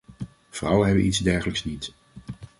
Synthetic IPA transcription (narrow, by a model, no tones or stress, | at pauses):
v̥rʌwənɦɛbənʔidzdɛɹχələksnit